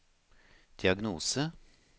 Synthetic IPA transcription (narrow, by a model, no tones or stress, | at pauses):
d̪̥ɪɑɡnuːsə